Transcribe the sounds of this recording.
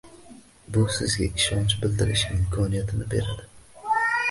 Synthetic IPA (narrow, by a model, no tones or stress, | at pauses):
bʊsɪzɡʲa̰ʔɪʃɒnt͡ʃbɪld̪ɪɾɪʃɪmkʰɒnijat̪ʰɪnɪbe̞̰ɾad̪ɪ